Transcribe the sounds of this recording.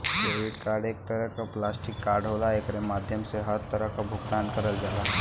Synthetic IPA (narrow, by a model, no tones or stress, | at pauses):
koʋiɖkaɾɖek̚t̪əɾəɦkaplasʈɪkːaɾɖɦolaekɾemad̪ʱjəmseɦəɾt̪əɾəɦkabʱuɡt̪ankəɾəld͡ʒala